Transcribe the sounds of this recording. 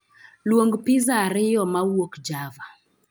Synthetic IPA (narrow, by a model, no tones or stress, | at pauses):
lwoŋɡpɪzaɾɪjɔmawokd͡ʒava